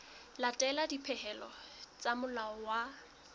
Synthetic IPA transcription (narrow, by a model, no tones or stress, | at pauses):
latʼɛladipʰɛhɛlɔt͡sʼamʊlaɔwa